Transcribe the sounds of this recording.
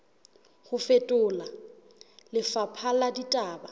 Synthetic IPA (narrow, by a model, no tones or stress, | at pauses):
χʊfetʼʊːla | lɪfapʰaladitʼaːba